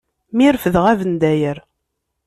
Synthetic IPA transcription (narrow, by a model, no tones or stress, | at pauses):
miɾfəðʁævənd̪æjəɾ